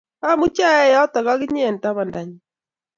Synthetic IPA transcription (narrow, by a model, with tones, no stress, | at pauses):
a˦mu˦t͡ʃa˦jɛ˦jɔ˦t̪a˨ɣa˦ɣɪ˦ɲ˦e˨nta˦βa˨nda˨ɲi˨